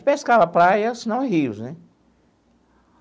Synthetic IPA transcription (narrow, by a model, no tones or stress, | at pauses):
t͡ʃɪpeskavɐpɾajɐsinɐ̃w̃ɛɦiʊsnɛ